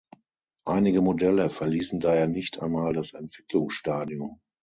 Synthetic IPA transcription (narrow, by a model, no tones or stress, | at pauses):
ʔaɪnɪɡəmodɛləfɛɐliːsn̩daːheːɐnɪçtʔa̰ɪnmaːldasɛntv̥ɪklʊŋsʃtaːdiʊm